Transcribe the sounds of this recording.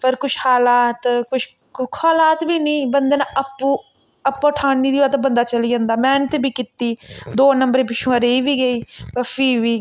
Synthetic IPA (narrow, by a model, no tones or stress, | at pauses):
pəɾkʊʃhaːlaːt̪kʊʃ | kkʰaːlaːt̪biːnəĩːbənd̪eːnãʔəpːũː | əpːãːʈʰaːɳiːd̪iːaːt̪ːbənd̪aːt͡ʃəliːd͡ʒãːnd̪aːmɛːɳt̪biːkɪt̪ːiːd̪oːnəmbəɾẽːpɪʃũːaɾeiːʋiːɡəiːpəfiːʋiː